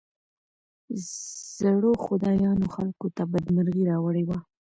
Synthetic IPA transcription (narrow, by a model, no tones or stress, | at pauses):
z̥aɽoxʊd̪ɑjɑnoxalkot̪abad̪maɾɣiɾɑwaɽewa